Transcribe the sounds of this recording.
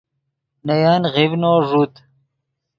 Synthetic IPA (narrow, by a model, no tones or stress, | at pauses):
nɐjaːnʁibnoːʐut̪